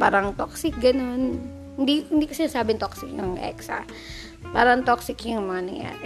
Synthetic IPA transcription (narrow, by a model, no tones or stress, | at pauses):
paɾaŋt̪ɔksɪk̚ɡanʊn | ndindikasaɲasabɪnt̪ɔksɪk̚aŋʔɛ̰ksa̰ | paɾaŋt̪ɔksɪkjaŋmaŋanḭja̰